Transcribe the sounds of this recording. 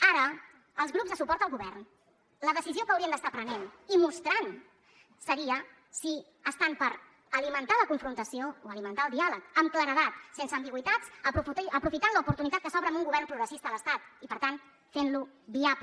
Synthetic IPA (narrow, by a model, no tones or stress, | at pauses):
aɾəː | lˠzɣɾubzðəsupɔɾt̪əlˠɣuβɛrn | ləðəsiziokəwɾiənd̪əst̪apɾənenimust̪ɾan | səɾiə | si | əst̪ampəɾ | əlimənt̪aləkuɱfɾunt̪əsiooəlimənt̪aəlˠd̪ialəkəmkləɾəðat̪sensəːmbiɣwit̪at͡səpuəpɾufit̪anləupuɾt̪unit̪at̪̚kəsɔβɾəmuŋɡuβɛɾrnpɾuɣɾəsist̪ələst̪at̪ipəɾt̪an | fenluβiap